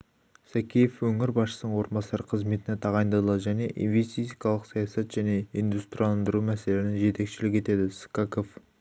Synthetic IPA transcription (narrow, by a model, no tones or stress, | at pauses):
sækʲʰijefwɵŋɪɾbɑsʃə̥sənəɴwo̞ɾmbɑsɑɾəqʰəzme̞t̪ɪnet̪ʰɑʁɑjənd̪ɑd̪əlˠɑʒæne̞ʔḭnve̞st̪isikɑlˠəqsɑjɑsɑt̪ʒ̥æne̞ind̪ust̪rjilˠɑnd̪əɾumæse̞lenɪʒe̞t̪e̞kʃɪlɪk̬ʲe̞t̪e̞d̪ɪskɑkof